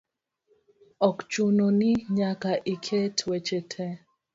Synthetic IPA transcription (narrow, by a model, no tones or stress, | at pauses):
ɔkt͡ʃunoniɲakaʔikʰetwet͡ʃetʰɛ